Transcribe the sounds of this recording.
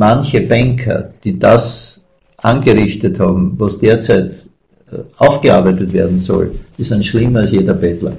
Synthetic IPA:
mançəbɛŋkʰɐ̰d̥iːdas | ʔanɡəʁɪçtəthaːbm̩vasd̥eːɐt͡sæɪt | ʔaʊfɡ̥əa̰ɐbæɪtətveːɐdn̩sɔ̰ld̥isanʃlɪmɐɐlsjeːdɐbɛtlɐ̰

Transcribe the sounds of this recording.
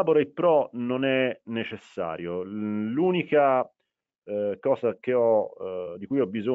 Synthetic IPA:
aboɾaipːɾɔnonɛnːet͡ʃesːa̰ːɾjoluːnika | kɔːzak̟eɔd̪ikujɔbːizo

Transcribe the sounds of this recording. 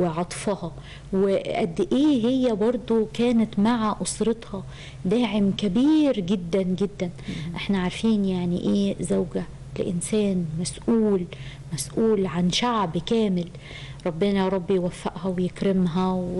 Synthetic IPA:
ɪʕɑt̪ˤfɑhɑ | wɪʔæ̰d̪ːʔeːɦɪjːæbɑɾˤd̪ˤokæːnɪt̪maʕaʔʊsɾɨt̪ˤhɑ | d̪aːʕɪmkabiːɾɡɪd̪ːanɡɪd̪ːænʔɪħnaʕaɾˤfiːnjaʕnḭʔeːzawɡa | l̰ʔɪ̰nsæːnmasʔuːl | mæsʔuːlʕanʃaʕbkæːmɪl | ɾˤɑbːɪnaɾˤɑbːijwafːaʔhæwjɪkɾɪmɦæw

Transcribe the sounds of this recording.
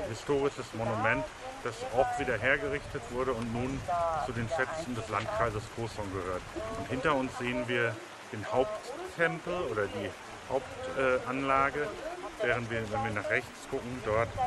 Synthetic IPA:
hɪstoːʁ̞ɪʃəsmonumɛnt | d̥asʔɔfv̥iːdɐɦeːɐɡəʁɪçtətv̥ʊɐɾəʊntnuːnt͡sudeːnʃɛt͡sn̩dɛslantkʁ̥aɪzəskʰoːsɔŋɡəhøːɐtʊnthɪntɐʊnsz̥eːənviːɐ | d̥eːnhaʊptʰːɛmpl̩ʔoːɾɐdiː | haʊp̚tʔɛːʔanlaːɡəvɛːʁ̞əntv̥iːɐvɛnviːɐnaːχʁ̥ɛçt͡sɡ̥ʊkŋ̩dɔɐt

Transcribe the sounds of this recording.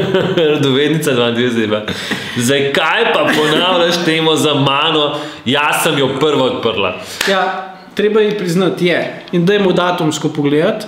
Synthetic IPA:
ɾɐd̪ɔʋed̪nit̪sad̪ʋand̪ezema | zd̪ɐjkajpapɔnawlʲaʃt̪eːmɔzɐmaːnɔ | jasɐmjɔpəɾʋaɔt̪̚pəɾla̰ | ja | t̪ɾeːbajipɾiznɐt̪jɛ | ind̪ɐjmod̪at̪umskɔpɔɡleːd̪at̪

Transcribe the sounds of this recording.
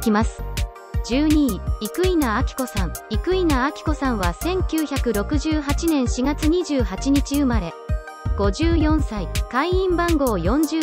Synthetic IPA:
kʲimasɨ̥ | d͡ʑɨːɲ̟iːikɯ̟inaːkʲi̥ko̞sãŋikɯ̟inaːkʲi̥ko̞sãɰ̃βasẽ̞ŋkʲɨːçakɯ̟ɾo̞kɯ̟ʑɨːɦat͡ɕinẽ̞ɰ̃ɕiɡat͡sɨɲ̟iʑɨːhat͡ɕiɲ̟it͡ɕiɯ̟maɾe̞ | ɡ̥o̞ʑɨːjõ̞ɰ̃saikaiĩmbãŋɡo̞ːjõ̞ɲd͡ʑɨ

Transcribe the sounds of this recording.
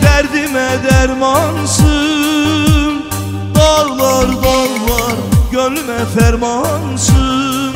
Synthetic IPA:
d̪ɛɾd̪imɛd̪ɛɾmɑnsɯ | m | d̪ɑɾlˠɑɾd̪ɑɾlˠɑɾɡølymɛfæɾmɑnsɯ | m

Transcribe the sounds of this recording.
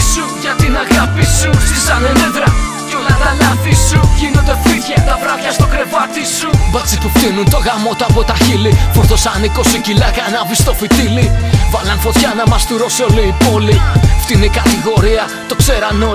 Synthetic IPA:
suʝɐt̪inɐɣɐpisuisɐnenend̪ɾɐ | jolɐnɐnɐt̪isuʝinond̪efit̪çɐt̪ɐvɾɐçɐst̪o̞kɾe̞vɐt̪isubɐt͡sipupt̪inunt̪o̞ɣɐmo̞t̪uɐpo̞t̪ɐçilifoθo̞sɐniko̞sicilɐɣɐnɐvist̪o̞fit̪ilivɐlɐnfot̪çɐnɐmɐst̪uɾo̞seoliːpolift̪inikɐt̪iɣo̞ɾiɐ | t̪o̞kse̞ɾɐno

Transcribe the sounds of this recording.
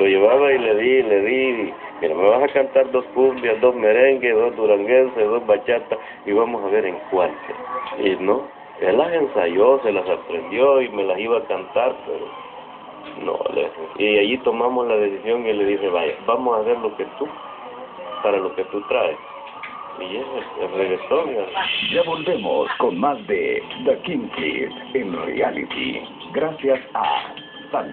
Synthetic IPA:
lo̞ʝe̞βaβaileðileðii | miɾameβasakant̪aɾd̪o̞skumbjasd̪osmeɾeŋɡesðozd̪uɾaŋɡensesðosβat͡ʃat̪as | iβamosaβe̞ɾeŋkwant̪o̰ino | elase̞nsaʝoselasapɾend̪joime̞lasiβaːkant̪aɾpḛɾo̰ | no̰lḛseiaʝit̪o̞mamoslaðe̞sisjo̞ŋile̞ðise̞βaʝa̰bamosaseɾlo̞ke̞t̪u | paɾalo̞ke̞t̪ut̪ɾaes | ieseelreɣɾesoɾad͡ʒaβo̞lbemo̰skonmazd̪ḛd̪akiŋkḭs | enrḛa̰lḭt̪ḭ | ɡɾasjasa̰ | san

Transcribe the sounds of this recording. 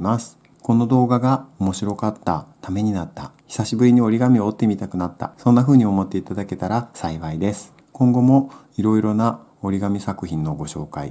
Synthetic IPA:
masɨ̥ | ko̞no̞d̪o̞ːɡaɡao̞mo̞ɕiɾo̞kat̪ːa̰t̪ame̞ɲ̟inat̪ːaçʲi̥saɕibɯ̟ɾʲiɲ̟io̞ɾʲiɡamʲioːt̪ːe̞mʲit̪akɯ̟nat̪ːa̰sõ̞nːaɸɯ̟ːɲ̟io̞mo̞t̪ːe̞it̪ad̪ake̞t̪aɾasaiβaid̪e̞sɨ̥ | kõ̞ŋɡo̞mo̞ | iɾo̞iɾo̞na | o̞ɾʲiɡamʲisakɯ̟çĩnːo̞ɡo̞ɕo̞ːka̰ḭ

